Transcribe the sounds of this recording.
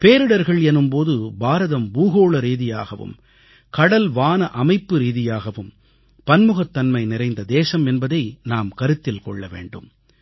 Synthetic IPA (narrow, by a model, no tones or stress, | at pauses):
peːɾɯɽɐɾɣɐɭɛnːɯmpoːðɯbaːɾɐðɐmbuːɣoːɭɐɾiːðɪja̰ːɣɐʋɯ̰m | kɐɽɐlʋaːnɐʔɐmɐɪpːɯɾiːðɪjaːɣɐʋɯm | pɐnmɯɣɐt̪ːɐnmɐɪnɪɾɐɪnd̪ɐd̪eːsɐmɛnbɐðɐɪnaːmkɐɾɯt̪ːɪlkɔ̰ɭːɐʋḛːɳɖɯ̰m